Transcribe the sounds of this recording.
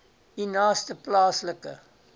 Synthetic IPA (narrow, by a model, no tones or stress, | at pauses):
inɑːstəplɑːsləkə̰